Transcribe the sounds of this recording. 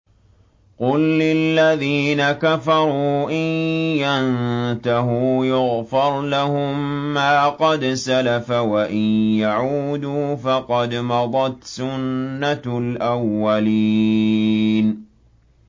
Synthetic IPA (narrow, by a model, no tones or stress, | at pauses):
qʊlːɪlːaðiːnakafɑɾˤuːʔɪnjant̪aɦʊjʊɣfɪɾˤlahʊmːaːqɑd̪salafawaʔɪnjaʕuːd̪uːfɑqɑd̪mɑd̪ˤɑt̪sʊnːalʔawːali | n